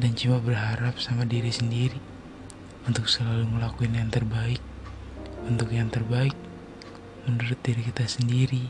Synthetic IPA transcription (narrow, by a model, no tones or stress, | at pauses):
dant͡ʃumabərɦaɾap̚samadiɾisəndiɾi | unt̪ʊksəlaluməlakuɪnjaŋt̪ərbaɪk̚ | unt̪ʊkjaŋt̪ərbaɪk̚ | mənuɾʊt̪̚diɾikit̪asəndiɾi